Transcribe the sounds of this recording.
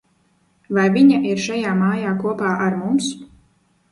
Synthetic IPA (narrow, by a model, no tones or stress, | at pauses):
vajviɲaʔiɾʃajaːmaːjaːkuɔpaːʔaɾmums